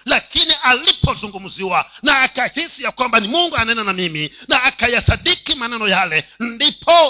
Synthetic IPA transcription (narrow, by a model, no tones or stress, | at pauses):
lakiniʔalipʰɔzuŋɡum̩ziwanaːkahisijakwambanimuŋɡuanaɛnanamiminaːkajasaɗikimanɛnɔjalɛndipʰɔ